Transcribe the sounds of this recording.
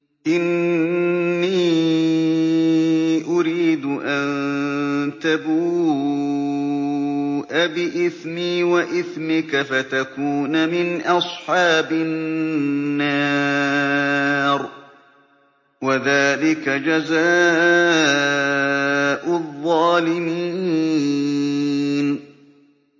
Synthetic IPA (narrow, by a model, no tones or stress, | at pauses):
ʔɪnː | iː | ʔʊɾiːd̪ʊʔan | t̪abuː | ʔabɪʔɪθmiːwaʔɪθmɪkafat̪akuːnamɪnʔɑsˤħɑːbɪnnːa | ɾ | waðaːlɪkad͡ʒazaː | ʔʊðˤːɑːlɪmiː | n